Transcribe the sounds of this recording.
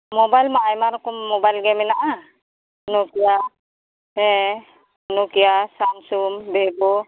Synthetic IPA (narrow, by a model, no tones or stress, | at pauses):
mobajlmaʔajmaɾkummɔbajlɡɛmɛnaʔa | nukia | ɛ | nukiasansumbɛbɔ